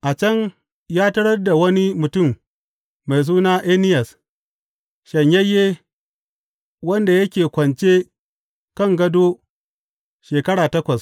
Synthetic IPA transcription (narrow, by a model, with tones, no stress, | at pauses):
ʔa˨t͡ʃɐ˦ŋ | jaː˦tɐ˦ɽɐ˦rda˨wɐ˦ni˦mʊ˨tʊ˦˨mː | a˨js̬uː˦naː˦ʔeː˦nɪ˦jɐ˨s | ʃɐ˨ɲjɐ˦jːeː˦ | wɐ˦nda˨jɐ˦kʲeː˨kʷɐ˨nt͡ʃeː˦ | kɐ˦˨ŋɡɐ˦doː˦ | ʃeː˨kɐ˦ɽaː˨tɐ˦kʷɐ˨s